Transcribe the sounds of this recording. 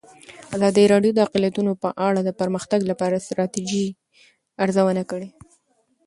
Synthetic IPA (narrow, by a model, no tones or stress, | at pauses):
azɑd̪əɾɑɖjod̪əaqlijat̪unopəʔaɽad̪əpəɾməxt̪aɡlapɑɾast̪ɾɑt̪id͡ʒi | aɾzawənakəɽe